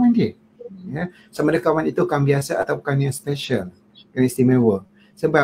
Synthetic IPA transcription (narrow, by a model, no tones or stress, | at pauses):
andi | ja | səmadakawanit̪ukambiasaʔat̪awkanjaŋspɛʃal | kanist̪imə̃wə | səba